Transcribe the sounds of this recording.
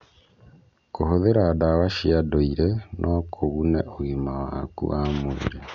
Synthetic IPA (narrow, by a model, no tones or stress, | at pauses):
kohoðeɾaːdawaʃiadoiɾɛnʔɔkʰoɣunɛʔoɣimawakṵʔamoḭɾe